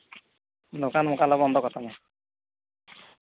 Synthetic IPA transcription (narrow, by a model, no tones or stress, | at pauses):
nokanmʊkalɔbɔnd̪ʱɔkɔt̪ʰana